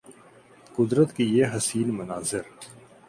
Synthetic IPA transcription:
kʊd̪ɾət̪kijeɦɐsiːnmʊnaːzɪɾ

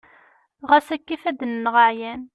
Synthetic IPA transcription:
ʁæsækːifæd̪nːʁəʕjæn

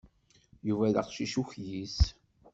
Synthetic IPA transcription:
juvæðə̰qʃiʃuçjis

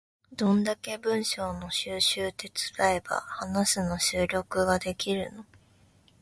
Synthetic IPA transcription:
d̪̥õ̞nd̪ake̞bɯ̟̃ɰ̃ɕo̞ːno̞ɕɨːɕɨːt̪e̞t͡sɨ̥ɾaeba̰hanasɨno̞ɕɨːɾʲo̞kɯ̟ɡad̪e̞kʲiɾɯ̟no̞

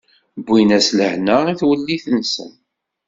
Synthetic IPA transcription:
bːinæsləhnəiθwəlːiθənːsə̰n

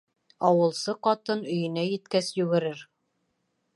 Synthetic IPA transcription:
ɑwɤ̆lˠsɤqɑt̪ɤnɵ̆jɵ̆næjɘ̆t̪kæsjʉɡɘ̆ɾɘɾ

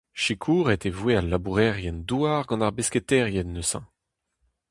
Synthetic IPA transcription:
ʃikʰuːʁet̪evwealːabuʁɛʁjɛnd̪uaʁɡɑ̃naʁbesket̪ɛʁjɛnːøsɑ̰̃

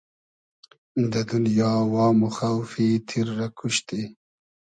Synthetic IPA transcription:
d̪ɐd̪unjɑːwɑːmuxawfit̪ʰiɾːɐkʰuɕt̪i

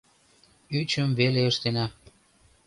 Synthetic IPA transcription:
yt͡ɕəmβeleəʃt̪enɑ

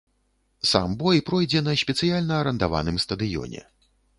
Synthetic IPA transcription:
sa̰mbɔjpɾɔjd͡zʲɛnɐɕʲpʲɛt̪sɨjalʲnɐːɾɐnd̪ava̰nɨmst̪ɐd̪ɨjɔ̰nʲɛ̰

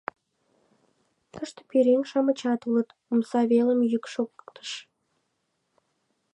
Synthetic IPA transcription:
t̪əʃt̪ə̥peɾeŋʃɑmət͡ɕɑt̪ulət̪umsɑβeləmjykʃokt̪ə̥ʃ

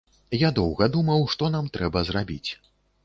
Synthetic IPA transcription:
jad̪ɔwɣɐd̪umɐwʂt̪ɔnamt̪ɾɛbɐzrabʲḭt͡sʲ

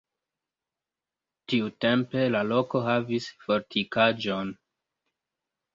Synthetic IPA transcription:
tiute̞mpe̞lalo̞ko̞ɦavisfo̞ɾtʰikad͡ʒo̞n

